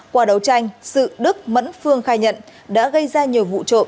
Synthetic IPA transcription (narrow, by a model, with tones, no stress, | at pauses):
kwaː˧˩ɗə˨˩wt͡ɕa˧jŋ̟sɨ̰˧˨ɗɨ˦˥k̚mə̰˧˥nfɨ˧əŋxaː˧jɲə̰˧˨nɗa̰ː˧˥ɣə˧jzaː˧ɲi˨˩əwvṵ˧˨t͡ɕo̰˧˨